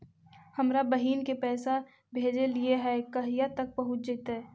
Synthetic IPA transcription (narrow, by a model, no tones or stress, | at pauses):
həmɾabəɦiːnkepɛːsa | bʱeːd͡ʒelieɦɛkɐɦijat̪ək̚pəɦʊt̪̚d͡ʒet̪ɛː